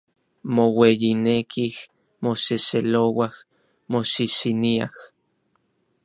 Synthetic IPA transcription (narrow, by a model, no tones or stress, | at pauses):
mowejinekʰih | moseselowah | mosisiniah